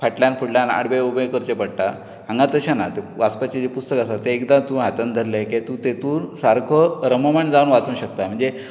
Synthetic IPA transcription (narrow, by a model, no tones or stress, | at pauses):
pʰaʈljanpʰuɽljana̰ɽbeubəkəɾt͡ɕepəɽʈa | ɦãŋɡat̪əɕanat̪eʋaspat͡ɕed͡ʑepust̪əkasat̪eːkd̪at̪ũːɦat̪and̪ʱəlːeket̪ũt̪et̪uːɾsaɾkʰɔɾəməmaɳd͡zaunʋat͡suũɕək̚t̪am̤əɳd͡ze